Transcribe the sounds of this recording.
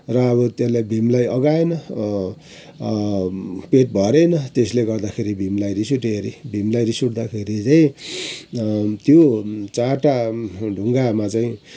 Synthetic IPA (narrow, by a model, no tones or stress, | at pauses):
rʌʌbʌt̪jelajbʱimlajʔʌɡaenʌ | peʈ̚bʱʌɾenʌt̪esleɡʌrd̪akʰeɾibʱimlajɾisuʈeɾibʱimlajɾisuʈd̪akʰeɾit͡saĩ | t̪jot͡saʈaɖʱuŋɡamat͡saĩ